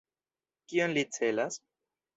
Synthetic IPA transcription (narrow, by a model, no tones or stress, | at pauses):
kio̞nlit͡se̞las